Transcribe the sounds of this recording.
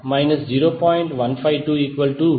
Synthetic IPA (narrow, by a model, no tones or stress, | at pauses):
maɪnɐsd͡ʒiːɾoːpɔːjɪ̃ɳʈʋɐ̃npʰaɪʋʈuːiːkʋɐlʈu